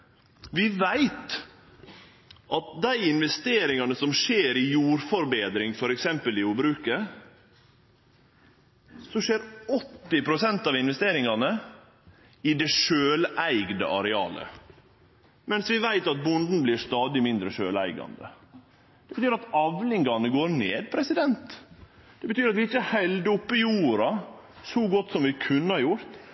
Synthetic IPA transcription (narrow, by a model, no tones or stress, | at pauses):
ʋɪʋæɪt̪ | ʔɑt̪̚d̪æɪɪnʋɛst̪eːɾɪŋɑnəsɔmʂeːɾɪjuːɾfɔɾbeːd̪ɾɪŋfɔɾɛksɛmpəlɪuːbɾʉːkə | sɔʂeːɾɔt̪ːɪpʰɾʊsɛnt̪ɑːʋɪnʋɛst̪eːɾɪŋɑnə | ɪd̪ɛʂøːlæɪɡd̪ə̰ʔɑɾɛɑ̰ːlə̰ | mɛnsʋɪʋæɪt̪ɑt̪̚bʊnd̪n̩bliːʂt̪ɑːd̪ɪmɪnd̪ɾəʃøːlæ̰ɪɡɑ̰nd̪ə̰ | d̪̥ɛbət̪ʰyːɾɑt̪ɑʋlɪŋɡɑnəɡoːɾneːd̪̚pʰɾɛsɪd̪ɛnt̪d̪̥ɛbət̪ʰyːɾɑt̪ʋɪɪçːəhæɪld̪əɔpːɪjuːɾɑsɔɡɔt̪ːsɔmʋɪkʰʉnːəhɑɾjʊɾt̪